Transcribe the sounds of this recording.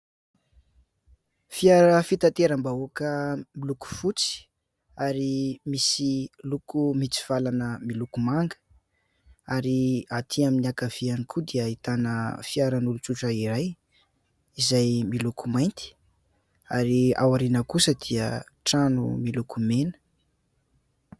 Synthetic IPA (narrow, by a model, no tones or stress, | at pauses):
fiaɾəfit̪at̪eɾambauakəmiluku̥fut͡si̥ | aɾimisilukumit͡si̥v̥alanəmilukumaŋɡə̥ | aɾiat̪ʰiaminiakav̥ianikʰud̪iəit̪anəfiaɾənulut͡suʈ͡ʂəiɾaj | izajmilukumajnt̪i̥ | aɾia̰waɾinəkusəd̪̥iəʈ͡ʂanṵmilukumenə̥